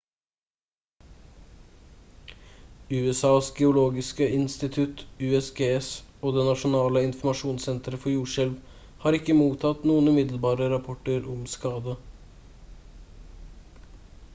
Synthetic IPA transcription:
ʉɛsɑːsɡɛʊloːɡɪskəɪnst̪ɪt̪ʰʉt̪ʉːɛsɡeːsoːd̪ɛnɑʃʊnɑːləɪnfmɑʂuːnsɛnt̪ɾəfɔjuːʂɛlʋ | hɑːɾɪkːəmuːt̪ʰɑt̪nuːənʉmɪd̪l̩bɑːɾəɾɑpʰʊʈøːɾʔɔmskɑːd̪ə

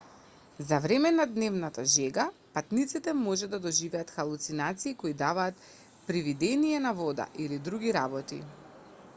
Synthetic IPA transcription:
zavɾɛmɛnad̪nɛvnat̪aʒɛɡapat̪nit̪sit̪ɛmɔʒɛd̪ad̪ɔʒivɛat̪xalˠut̪sinat̪siːkoid̪avaːt̪ | pɾivid̪ɛnijɛnavɔd̪a̰ʔilid̪ɾuɡiɾabɔt̪ḭ

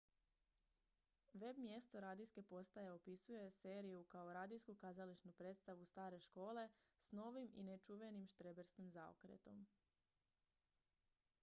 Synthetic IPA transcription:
ʋe̞bmje̞st̪o̞ɾaːd̪ijske̞po̞st̪ajeo̞pisuje̞se̞ːɾijukaoɾaːd̪ijskukazaliʃnupɾe̞ːt̪st̪aʋust̪aːɾe̞ʃko̞ːle̞sno̞ʋimḭnet͡ʃuʋe̞nimʃt̪ɾe̞beɾskimzao̰kɾḛt̪o̞m

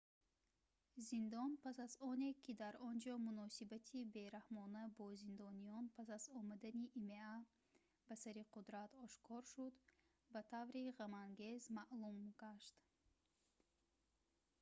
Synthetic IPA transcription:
zind̪ɔnpasazɔne̞kʰid̪aɾɔnd͡ʒɔmunɔsibat̪ʰibe̞ɾahmɔnabɔzind̪ɔnijɔnpʰasazɔmad̪aniʔimea | basaɾiqʰud̪ɾat̪ʰɔʃkʰɔɾʃud̪ | bat̪ʰavɾiʁamaŋɡe̞zmaʔlumɡ̥aʃt̪

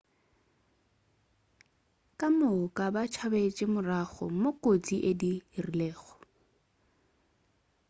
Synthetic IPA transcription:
kʼamʊkʼabat͡ʃʰabet͡ʃʼɪmʊraɣɔ̰mokʼot͡sʼiʔedirilɛːɣɔ̥

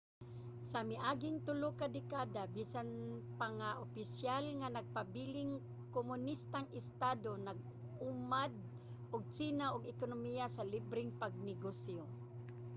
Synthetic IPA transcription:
samɪʔaːɡɪŋt̪ʊlokad̪ɪkaːd̪abiːsanpaŋaʔopɪsjalŋanaɡ̚pabiːlɪŋ | komʊnist̪aŋɪst̪aːd̪onaɡ̚ | ʊmad̪̚ | ʔʊɡ̚t͡ʃiːnaʔʊɡɪkonʊmijasalibɾɪŋpaɡ̚nɪɡosjo

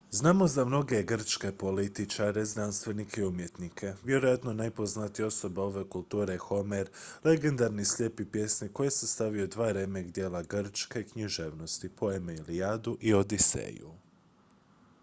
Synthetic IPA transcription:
znaːmo̞zamno̞ɡe̞ɡr̩t͡ʃke̞po̞lit̪it͡ʃaɾe̞zd̪ɾanst̪ʋe̞nikʰeiumje̞t̪nikʰe̞ʋje̞ɾo̞jat̪nonajpoznat̪ijo̞so̞bao̞ʋe̞kulˠt̪uːɾexo̞meɾle̞ɡe̞nd̪aɾnislʲje̞ːpipje̞snikːo̞jesest̪aʋijod̪ʋaːɾemeɡd̪je̞ːlaɡr̩t͡ʃkeikɲiʒeːʋno̞st̪ipo̞emeiliad̪uʔio̞d̪isḛːjṵ

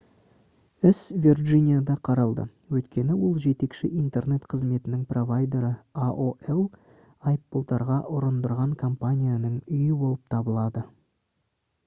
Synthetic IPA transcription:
ɪsvʲirʒinʲijad̪ɑqʰɑɾɑlˠd̪ə̰ | wɵjt̪kʲʰe̞nɪwo̞lˠʒe̞t̪e̞kʃɪʔijnt̪e̞rne̞t̪qʰəzme̞t̪ɪnɪŋpro̞vajd̪e̞ɾəaʔoʔelˠ | ɑjpːolˠt̪ɑɾʁɑʔʊɾənd̪əɾʁɑŋkʰompanʲijanəɴʏjɪbo̞lˠəp̚t̪ʰɑbəlˠɑd̪ə

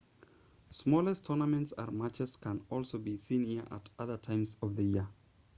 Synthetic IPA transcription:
smɔlˠɛstʰɔnəmɛ̃ntsə̰̃nmat͡ʃɛskʰə̃nɔlˠsoʊbisĩnhiʔə̰tʌðətʰãɪ̃mzʌvðəjiə

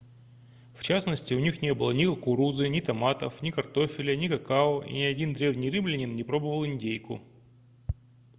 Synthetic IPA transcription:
ft͡ɕasnəsʲtʲɪʊnʲixnʲe̞bɨlˠənʲɪkɐkʊɾuzɨnʲɪt̪ɐmat̪əfnʲɪkɐrt̪o̞fʲɪlʲənʲɪkɐkaoḭnʲɪɐdʲind̪ɾʲe̞vnʲijrɨmlʲɪnʲɪnːʲɪpɾo̞bəvəlˠɪnʲdʲejkʊ̰

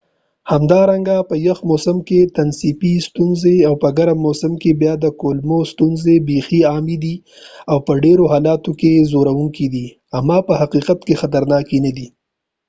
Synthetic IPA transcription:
hamd̪ɑɾaŋɡapəjəxmosɪmket̪ansipist̪unzeawpəɡaɾamosɪmkebjɑd̪əkolmost̪unzebexiɑmid̪i | awpəɖeɾoɦɑːlɑt̪okezoɾawuŋkid̪i | amːɑpəhaqiqat̪kexat̪aɾnɑkinad̪i

